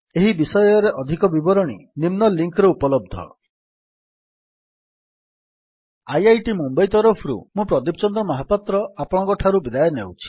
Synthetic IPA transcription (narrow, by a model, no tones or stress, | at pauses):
eɦibisɔjɔɾeʔɔd̪ʱikɔbibɔɾɔɽ̃ḭnimnɔliŋkɾeupɔlɔb̚d̪ʱɔ̰ | ajajʈimumbajt̪ɔɾɔpʰɾṵmũpɾɔd̪ipɔt͡ʃɔnd̪ɾɔmɔɦapat̪ɾɔapɔɽ̃ɔkɔʈʰaɾubid̪ajɔnḛwt͡ʃʰi̥